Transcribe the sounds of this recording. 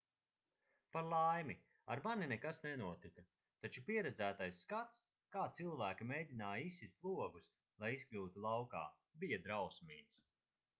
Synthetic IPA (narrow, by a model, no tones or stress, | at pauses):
paɾlˠajmi | aɾmaninɛkasnɛnuɔt̪ikɐ | t̪at͡ʃupiɛɾɛd̪zæːt̪ajsːkat̪s | kaːt̪silˠvæːkimɛjd̪ʲinaːjisːislˠuɔɡus | lˠajisklʲuːt̪ulˠawka̰ː | bijɐd̪ɾawsmiːns